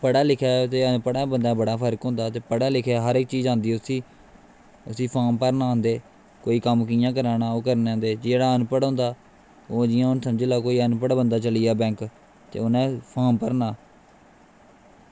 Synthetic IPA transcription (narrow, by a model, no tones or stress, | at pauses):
pəɽaːlɪkʰɛːt̪eːənpəɽaːbənd̪aːbəɽaːpʰəɾkɦõːnd̪aːt̪eːpəɽaːlɪkʰeɛːɦəɾɪk̚t͡ʃiːzãːnd̪iːʊsiː | əsĩːpʰaːmpəɾnaːɦʊ̃nd̪eː | koːiːkəmkɪjãːkəɾaːnaːoːkəɾneãnd̪eːd͡ʒeːɽaːənpəɽɦõːnd̪aː | oːd͡ʒɪjãːʊnsəmd͡ʒeːlaːkoːiːənpəɽbənd̪aːt͡ʃəlijaːbɛ̃ːŋk | t̪ḛːʊnẽːpʰaːmpəɾnaː